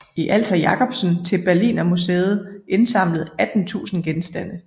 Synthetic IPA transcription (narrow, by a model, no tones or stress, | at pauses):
iʔæl̰t͡sʰæjɑ̈kʰɒ̽b̥sn̩t͡sʰe̝lb̥æɐlḭːnɒmusḛːð̞̩ˠʔe̝nsɑ̈m̰ləð̞̩ˠæd̥n̩t͡sʰṵːsn̩ɡ̥ensd̥æn̰ə